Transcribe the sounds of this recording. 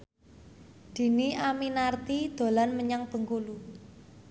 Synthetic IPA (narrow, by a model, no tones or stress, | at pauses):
d̪̥i̤niʔaminart̪id̪̥o̤lanməɲaŋb̥ə̤ŋkulu